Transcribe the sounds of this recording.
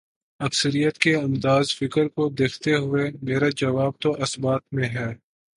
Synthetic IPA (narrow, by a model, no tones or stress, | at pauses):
ɐksəɾijət̪keɐ̃nd̪aːzfɪkəɾkod̪eːkʰt̪eɦʊemeːɾad͡ʒɐʋaːb̚t̪oʔɐsbaːt̪̚mẽɦɛː